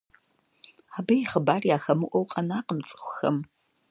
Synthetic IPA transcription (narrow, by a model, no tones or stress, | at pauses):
abɐjχəbaːrjaːxɐmɨʔʷɔwqʼɐnaːqəmt͡sʼɨ̥xʷʊxɐ̰m